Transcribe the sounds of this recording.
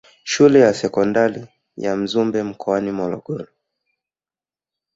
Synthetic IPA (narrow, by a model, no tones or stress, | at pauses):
ʃulɛjasɛkɔndaɾi | jam̩zumbɛm̩kɔanimɔlɔɡɔɾɔ